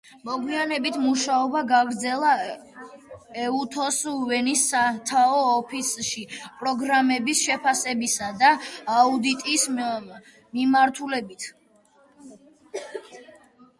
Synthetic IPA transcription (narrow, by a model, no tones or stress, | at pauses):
mɔɡwianɛbit̪ʰmuʃaɔbaɡaɡɾd̪zɛlˠa | ɛut̪ʰɔsuvɛnisat̪ʰaɔːpʰisʃipʼɾɔɡɾamɛbisʃɛpʰasɛbisad̪aːud̪it̪ʼis | mimaɾt̪ʰulɛbit̪ʰ